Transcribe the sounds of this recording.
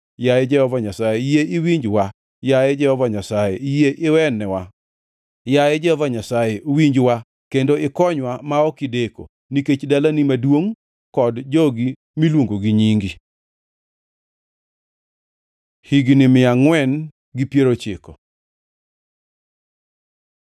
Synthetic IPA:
jaed͡ʒɛhɔvaɲasajejeɪwiɲd͡ʒwa | jajed͡ʒɛhɔvaɲasajɛjeʔɪwɛnːɛwa | jajɛd͡ʒɛhɔvaɲasajeowiɲd͡ʒwa | kendoɪkɔɲwamaɔkɪdeko̰ | niket͡ʃdalanimadwoŋ | kɔdd͡ʒɔɡi | milwoŋɡoɡiɲiŋɡi | hiɡnɪmɪaŋwɛn | ɡipjeɾot͡ʃɪkɔ

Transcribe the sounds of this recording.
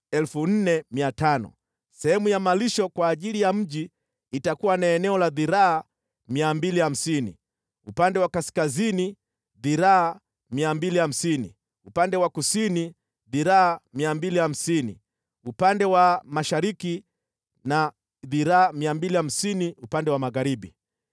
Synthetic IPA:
ɛlfun̩nɛmiatanɔ̰ | sɛhɛmujamaliʃɔkwaːʄilijam̩ʄiː | takuwanaɛnɛɔlaðiɾaː | miambiliham̩sinḭ | upandɛwakaskazini | ðiɾaa | miambiliham̩sinḭ | upandɛwakusini | ðiɾaamiambiliham̩sinḭ | upandɛwamaʃaɾiki | na | ðiɾaːmiambiliham̩siniupandɛwamaɣaɾiɓi

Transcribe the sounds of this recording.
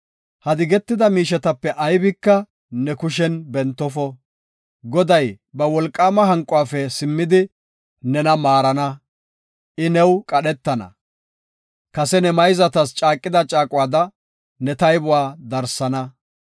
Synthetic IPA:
hɐd̪ɪɡɛt̪ːɪd̪ɐmiːʃɛt̪ɐpːɛʔɐjbɪkːɐ | nɛkʊʃ̬ɛnbɛnt̪ːɔfɔ | ɡɔd̪ɐj | bɐwɔlkʼːaːmɐɦɐŋkʼʊwaːfɛsɪmːɪd̪ɪ | nɛnɐmaːɾɐnɐ | ʔɪnɛwkʼɐɗɛt̪ːɐnɐ̰ | kɐsɛnɛmɐjzɐt̪ɐst͡ʃʼaːkʼːɪd̪ɐt͡ʃʼaːkʼʊwaːd̪ɐ | nɛt̪ɐjbʊwaːd̪ɐɾsɐnɐ

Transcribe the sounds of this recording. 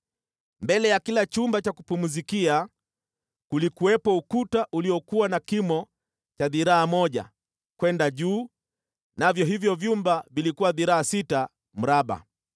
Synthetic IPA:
mbɛlɛjakilat͡ʃumbat͡ʃakupumuzikia | kulikuwɛpɔukutaʔuliɔkuwanakimɔ | t͡ʃaðiɾaːmɔʄa̰ | kwɛndaʄuː | navjɔɦivjɔvjumbavilikuwaðiɾaːsita | m̩ɾaɓa̰

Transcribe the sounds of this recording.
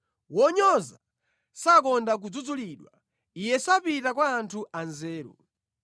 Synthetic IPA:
wɔɲɔza | sakɔndak̬ud͡zud͡zuliːɗwa̰ | ijɛsapitakwaːntʰuʔanzɛːɾṵ

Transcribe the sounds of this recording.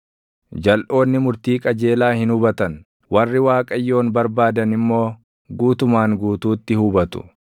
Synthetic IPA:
d͡ʒɐlʔo̞ːnːɪmʊɾt̪iːkʼɐd͡ʒe̞ːlaːhɪnʊbɐt̪ɐn | wʔɐrːɪwaːkʼɐjːo̞ːnbɐɾbaːd̪ɐnɪmːo̞ː | ɡuːt̪ʊmaːŋɡuːt̪uːt̪ːɪhʊbɐt̪ʊ̥̰

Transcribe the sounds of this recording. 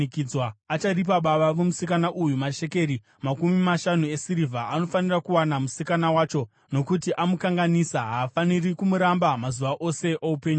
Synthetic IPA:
kid͡zwaːt͡ʃarip̬aɓaɓaʋumusikanaʔujumaʃe̞ke̞ɾi | makumimaʃanue̞siɾivʱaano̞fanirakuwanamusikanawaːt͡ʃo̞ | no̞kutiʔamukaŋɡanisaɦaːfanirikumuɾambamazuʋaʔo̞se̞ʔoupe̞ːɲu

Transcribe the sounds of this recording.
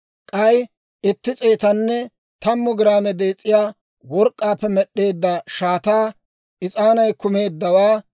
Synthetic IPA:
kʼɐj | ɪt̪ːɪt͡sʼe̞ːt̪ɐnːɛ | t̪ɐmːʊɡɪɾaːmɛd̪e̞ːt͡sʼːɪjaː | wɔɾkʼːaːpːɛmɛɗːe̞ːd̪ːɐʃaːt̪aː | ʔɪt͡sʼaːnɐjkʊme̞ːd̪ːɐwaː

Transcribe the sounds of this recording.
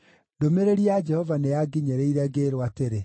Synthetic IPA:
domeɾeɾiad͡ʒɛhɔvaneaɡiɲɛɾeiɾɛɡeɾwateɾe

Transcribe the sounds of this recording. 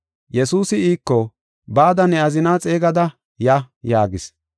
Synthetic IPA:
jɛsuːsɪiːkːɔ | baːd̪ɐnɛɐzɪnaːt͡sʼe̞ːɡɐd̪ɐ | jɐ | jaːɡɪs

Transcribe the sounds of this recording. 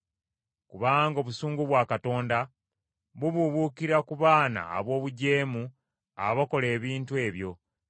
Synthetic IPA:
kuβaŋɡo̞ːβusuːŋɡuβwaːkato̞ːnda | βuβuβukiɾakuβaːna̰ːβo̞ːβuɟe̞ːmu | a̰βako̞le̞ːβiːntue̞ːβjo̞

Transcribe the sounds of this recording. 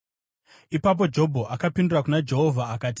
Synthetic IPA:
ipap̬o̞d͡ʒo̞bʱoʔakapindurakunad͡ʒe̞ɦo̞vʱaːkaːti̥

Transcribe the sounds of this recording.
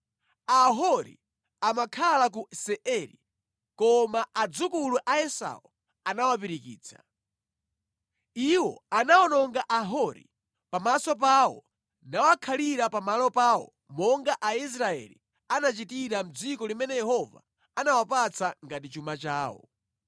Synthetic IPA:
aɦɔɾḭ | amakʰalak̬usɛʔɛɾḭ | kɔmaʔad͡zukuluʔaɛsa̰wɔ | anawap̬iɾikḭːt͡sʰḁ̰ | iwɔanaɔnɔŋɡaʔaɦɔɾḭ | pamasɔp̬awɔ̰ | nawakʰaliɾapamalɔpaːwɔ̰ | mɔŋɡaʔais̬ɾaɛ̰lḭ | anat͡ʃitiɾam̩d͡zikɔlimɛnɛjɛhɔva̰ | anawapat͡sʰaŋɡatit͡ʃumat͡ʃaːwɔ̰

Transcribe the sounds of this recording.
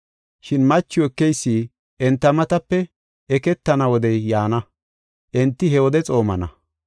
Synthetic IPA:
ʃɪnmɐt͡ʃːʊɛkːɛjsːiː | ʔɛnt̪ːɐmɐt̪ɐpːɛ | ɛkɛt̪ːɐnɐwɔd̪ɛjːaːnɐ | ʔɛnt̪ːɪɦɛwɔd̪ɛt͡sʼo̞ːmɐnɐ̰

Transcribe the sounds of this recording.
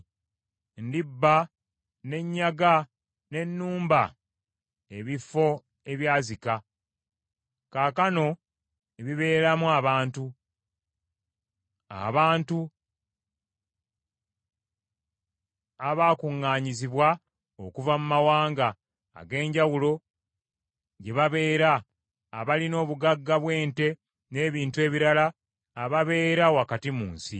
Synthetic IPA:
ndibːa | ne̞ɲːaɡa | ne̞nːuːmba | e̞βifo̞ | eβjaːzika | kaːkano̞ | eβiβe̞ːɾamuaβaːntu | a̰βaːntu | aβaːkuŋːaːɲiziβwa | okuvamumawaːŋɡa̰ː | ɡe̞ːɲɟawulo̞ | ɟe̞βaβe̞ːɾaː | βalino̞ːβuɡaɡːaβwe̞ːnte̞ | ne̞ːβiːntue̞ːβiɾalaː | βaβe̞ːɾawakatimṵːnsḭ

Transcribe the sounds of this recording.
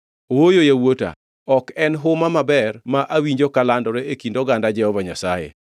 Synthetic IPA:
owojojawota̰ | ɔkɛnɦʊmamabɛrmaʔawiɲd͡ʒokalandɔɾɛekindɔɡandad͡ʒɛɔvaɲasajḛ

